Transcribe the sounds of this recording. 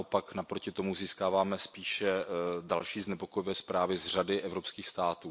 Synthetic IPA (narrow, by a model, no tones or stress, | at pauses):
ʔopaknapɾo̞cɪt̪o̞muziːskaːvaːmɛspiːʃɛdalʃiːznɛpokojɪvɛːspɾaːvɪzr̝adɪʔɛvɾo̞pskiːxst̪aːt̪uː